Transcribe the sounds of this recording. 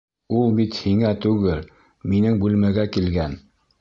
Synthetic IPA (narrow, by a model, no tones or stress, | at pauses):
ulˠbit̪hiŋæt̪ʉɡɘl | minɘŋbʉlmæɡækilɡæn